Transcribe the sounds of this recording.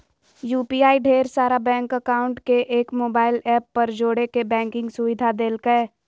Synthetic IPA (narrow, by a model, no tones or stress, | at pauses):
juːpiːaːiɖʱeːɾsaːɾabɛ̃ːŋkəkaːʊ̃ɳʈkeʔeːkmoːbaːɪlɛːpːɐɾd͡ʒoːɽekebɛ̃ːŋkɪ̃ŋɡsʊʋɪd̪ʱad̪eːlkəe